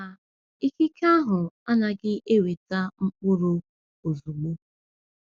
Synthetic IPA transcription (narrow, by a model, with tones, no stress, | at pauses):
a˨ | i˦ki˦kʰa˦ɦʊ˨a˦na˨ɡɪ˦ʔe˦we˨ta˦ŋ͡m̩˦k͡pʊ˦ɾʊ˦ | o˨zu˨ɡ͡bo˦